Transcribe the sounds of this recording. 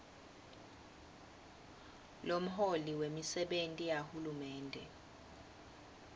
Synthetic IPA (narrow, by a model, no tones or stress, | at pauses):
lom̩ɦoliwemisɛɓentʼijahulumɛːndʱɛ